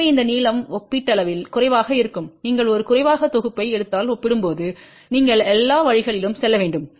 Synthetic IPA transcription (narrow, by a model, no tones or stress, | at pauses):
ɐɪnd̪ɐniːlɐmɔpːiʈːɐlɐʋɪlkʊrɐɪʋaːɣɐɪɾɯkːɯmniːŋɡɐɭɔɾɯkʊrɐɪʋaːɣɐt̪ɔɣɯpːɐɪɛɽɯt̪ːaːlɔpːɪɽɯmpoːðɯ | niːŋɡɐɭɛlːaːʋɐɻɪɣɐɭɪlɯmsɛlːɐʋeːɳɖɯm